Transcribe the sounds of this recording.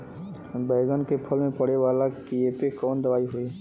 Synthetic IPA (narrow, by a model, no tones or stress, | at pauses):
bɛːɡənkepʰəlmẽpəɽeʋaːlakieːpekɔːnd̪əʋaːiɦui